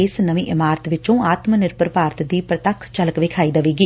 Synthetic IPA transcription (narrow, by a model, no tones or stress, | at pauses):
ɪsnəʋĩːʔɪmaːɾət̪ʋɪt͡ʃõːaːt̪mnɪɾpəɾpaːɾət̪d̪iːpɾət̪əkʰːt͡ʃələkʋɪːkʰaːiːd̪əʋiːɡiː